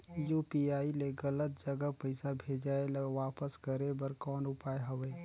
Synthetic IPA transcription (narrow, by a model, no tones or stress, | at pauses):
juːpiaːileɡɐlət̪̚d͡ʒɐɡəpəɪsabʱeːd͡ʒaːelʋaːpəskəɾebəɾkɔːnʊpaːeɦɐʋeː